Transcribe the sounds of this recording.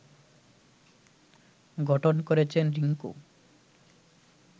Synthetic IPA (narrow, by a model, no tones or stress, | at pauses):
ɡʱɔʈʰonkoɾet͡ʃʰenɾiŋkṵ